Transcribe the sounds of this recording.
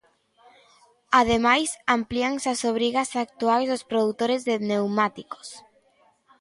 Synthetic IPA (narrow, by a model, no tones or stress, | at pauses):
að̞emajsampliaŋsasoβɾiɣasak̚t̪uajzðospɾoðut̪oɾezðenewmat̪iko̥s